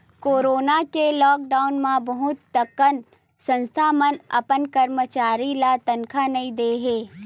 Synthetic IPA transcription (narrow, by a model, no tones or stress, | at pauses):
koːɾoːnakelɔːk̚ɖaːʊnmãbɐɦʊt̪ːɐkən | sɐ̃nst̪ʰamənɐ̰pənkɐɾmət͡ʃaːɾilat̪ɐnkʰanɐĩd̪eːɦeː